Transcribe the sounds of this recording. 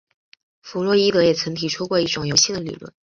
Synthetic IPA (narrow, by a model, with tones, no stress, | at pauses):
fu˧˥lwɔ˧˥i˥t̪ɤ˧˥jɛ˨˩t͡sʰə˧˥ŋt̪ʰi˨˩ʈ͡ʂʰu˥kwɔ˥˧i˥˩ʈ͡ʂʊ˨˩ŋjo˧˥ʊɕi˥˩d̪ə˩lḭ˨˩lwə̰˥˩n